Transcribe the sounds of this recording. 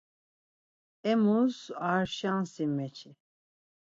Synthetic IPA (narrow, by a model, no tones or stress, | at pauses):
ɛmuzaɾʃansimɛt͡ʃʰi